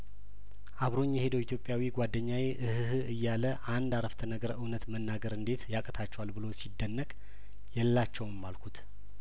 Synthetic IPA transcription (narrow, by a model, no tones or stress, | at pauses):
ʔaβɾo̞ɲːɛhe̞d̪əwit̪ʰjo̞pʼjawiɡʷad̪ːəɲːaweʔɨhhɨjːaləʔand̪aɾəft̪ʰənəɡəɾʔɨwnət̪mənːaɡəɾɨnd̪e̞t̪jakʼət̪ʰat͡ʃːɛwalbɨlo̞sid̪ːənːəkʼ | jɛlːat͡ʃːɛwmːalkʰut̪